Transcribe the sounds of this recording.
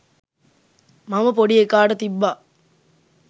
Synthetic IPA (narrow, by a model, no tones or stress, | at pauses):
mɐmɐp̬oɽijekːaːɖɐt̪ibːaː